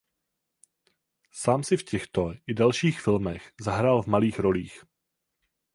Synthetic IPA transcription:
saːmsɪfcɛxt̪oʔɪdalʃiːxfɪlmɛxzaɦɾaːlvmaliːxɾo̞liːx

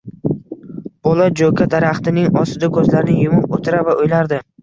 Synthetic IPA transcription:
b̥olˠad͡ʒokʰʲad̪aɾaχt̪ɪnɪŋɒsɪd̪akʰɵzlaɾɪnɪjʊmʊpot̪ʰɪɾavaʔojlaɾd̪ɪ

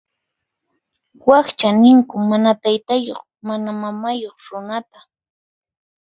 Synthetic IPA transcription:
wakt͡ʃanɪŋkʊmanat̪ajt̪ajo̰χ | manamamajoχɾʊnat̪a

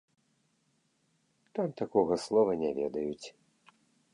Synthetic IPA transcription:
t̪amt̪akɔɣɐslˠɔvɐnʲɛvʲɛ̰d̪ɐjut͡sʲ

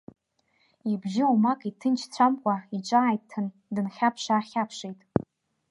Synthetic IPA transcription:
ibʒɪumakʼitʰɨnt͡ʃʰt͡sʷʰamkʷʼaiʈ͡ʂʷʼaːjttʰɨn | dɨnχʲapʰʂaːχʲapʰʂejtʼ

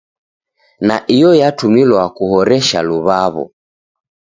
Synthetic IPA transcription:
naʔijɔjatumilwakuhɔɾɛʃa̰luβaβɔ̰

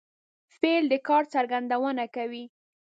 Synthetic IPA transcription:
feld̪əkɑɾt͡saɾɡand̪awənakawi

